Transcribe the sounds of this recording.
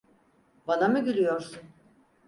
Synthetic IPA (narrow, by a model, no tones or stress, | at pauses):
banamɯɟylʲyjoɾsun